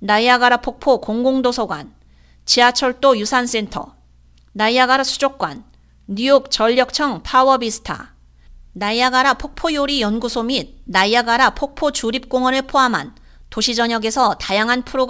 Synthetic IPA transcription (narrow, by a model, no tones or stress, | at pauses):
naijaɡaɾapʰok̚pʰokoŋɡoŋdosʰʌɡwa̰n | t͡ɕiat͡ɕʰʌɭt͈ojusʰans͈e̞ntʰʌ̰ | naiaɡaɾasʰu̥d͡ʑok̚k͈wanː | ujok̚t͡ɕʌʎːjʌk̚t͡ɕʰʌŋpʰawʌbisʰɯ̥tʰa̰ | naijaɡaɾapʰok̚pʰojoɾijʌnɡusʰomit̚najjaɡaɾapʰok̚pʰot͡ɕuɾip̚k͈oŋʌnɯɭpʰoɦamɦa̰n | toɕʰid͡ʑʌɲʌɡe̞sʰʌtajaŋɦanpʰɯɾoɡ